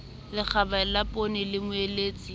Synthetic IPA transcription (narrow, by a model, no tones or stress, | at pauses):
lɪk͡xʰabalapʼonɪlɪmʊeleːt͡sʼi